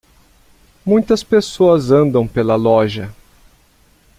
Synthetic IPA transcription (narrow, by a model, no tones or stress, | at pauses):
mũj̃t̪ɐspesoɐzɐ̃nd̪ɐ̃w̃pelɐlɔʒɐ